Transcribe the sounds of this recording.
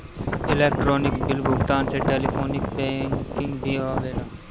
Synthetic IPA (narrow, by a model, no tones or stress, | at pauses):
ɪlɛːk̚ʈɾoːnɪkbɪlbʊkt̪aːnt͡ʃeʈeːliːpʰoːnɪkbɛ̃ːŋkɪŋɡbʱiːɦoːʋeːɖaː